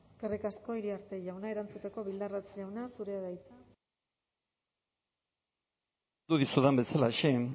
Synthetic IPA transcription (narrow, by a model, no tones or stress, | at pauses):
eske̞rikasko̞iɾiaɾt̪e̞ʝawnae̞ɾant͡sut̪e̞ko̞βild̪arat͡sjawnasuɾe̞aðajt͡sa | uðisuðambe̞salaeʃe